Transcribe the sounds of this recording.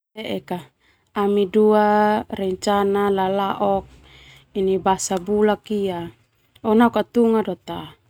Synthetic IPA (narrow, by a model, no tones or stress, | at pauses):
eʔɛka | amiduarɛɲt͡ʃanalalaʔɔk̚ | inibasabulakia | ɔnaukat̪uŋadɔt̪a